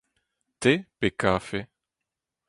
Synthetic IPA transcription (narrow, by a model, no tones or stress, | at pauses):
t̪epekafe